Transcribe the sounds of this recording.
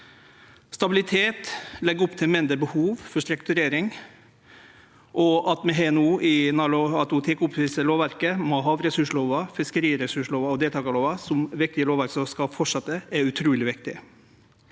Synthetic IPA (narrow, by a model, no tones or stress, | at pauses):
st̪ɑbɪlɪt̪ʰeːt̪lɛɡːɔpt̪ʰɪlmɪnd̪ɾəbəhuːʋfɔʂt̪ɾʉkt̪ʉɾeːɾɪŋ | ʔɔɑt̪mɛɦeɛnuːʔɪnɑlʊɑt̪ʊt̪ʰɪkʊpʋiːsəloːʋæɾkəmɔɦɑːʋɾɛsʉʂɭoːʋɑfɪskəɾiːɾɛsʉʂɭoːʋɑɔd̪eːlt̪ʰɑːkəloːʋɑsɔmʋɪk̚t̪ɪəloːʋæɾksɔskɑfɔʈʂɑt̪ːəɛʉt̪ʰɾuːlɪʋɪkt̪ɪ